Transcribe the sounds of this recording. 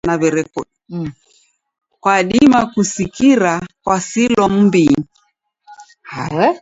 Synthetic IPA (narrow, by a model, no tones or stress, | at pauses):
naβɛɾɛkɔɗ | kwaɗimakusikiɾakwasilɔm̩bi | haɛ